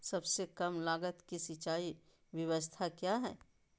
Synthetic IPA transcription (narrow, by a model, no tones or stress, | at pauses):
sɐbsekɐmlaːɡət̪kisit͡ʃaːi | ʋjɐʋəst̪ʰakjaːɦɛ̰ː